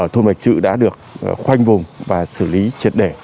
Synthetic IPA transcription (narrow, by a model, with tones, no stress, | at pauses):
t̪ʰo˧nma˨˩jk̟̚sɨ̰˧˨ɗa̰ː˧˥ɗɨ˨˩ək̚xwa˧jŋ̟vʊ˨˩ŋ͡mvaː˨˩sɨ˧˩li˨˦t͡ɕi˨˩t̚ɗe˧˩